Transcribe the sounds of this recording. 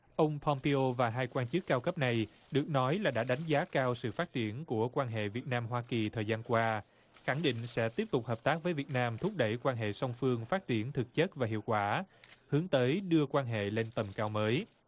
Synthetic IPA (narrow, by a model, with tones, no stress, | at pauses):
ʔə˧wŋ͡mpʰɔ˧mpe˧ʔo˧vaː˨˩ɦaː˧jkwaː˧nt͡ɕɨ˦˥kːaː˧wkə˦˥p̚na˨˩j | ɗɨ˨˩ək̚nɔ˨˦jlaː˨˩ɗa̰ː˧˥ɗa˨˦jŋ̟zaː˨˦kaː˧wsɨ̰˧˨faː˦˥t̚t͡ɕi˧˩ənku˧˩əkwaː˧nɦḛ˧˨vi˨˩ət̚naː˧mɦwaː˧ki˨˩t̪ʰəː˨˩jzaː˧nkwaː˧ | xa˧˩ŋɗḭ̈˧˨ŋ̟sɛ̰˧˥t̪i˦˥əp̚t̪ʊ˨˩k͡p̚ɦəː˨˩p̚t̪aː˦˥k̚vəː˨˦jvi˨˩ət̚naː˧mt̪ʰʊ˦˥p̚ɗə˧˩jkwaː˧nɦḛ˧˨sɔ˧wŋ͡mfɨ˧əŋfaː˦˥t̚t͡ɕi˧˩ənt̪ʰɨ˨˩k̚t͡ɕə˦˥t̚vaː˨˩ɦḭ˧˨əwkwaː˧˩hɨ˨˦əŋt̪əː˨˦jɗɨ˧əkwaː˧nɦḛ˧˨le˧nt̪ə˨˩mkaː˧wməː˨˦j